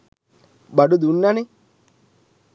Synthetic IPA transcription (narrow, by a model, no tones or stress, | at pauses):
bɐɖud̪unːɐni